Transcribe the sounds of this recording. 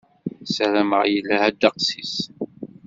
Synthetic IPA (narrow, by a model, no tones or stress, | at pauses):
sæɾæməʁjəlːæhæd̪ːɑqsis